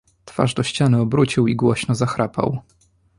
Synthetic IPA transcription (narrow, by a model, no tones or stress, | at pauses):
t̪fa̰ʐd̪ɔɕt͡ɕanɘɔbɾut͡ɕiwiɡwɔɕnɔzaxɾʔapa̰w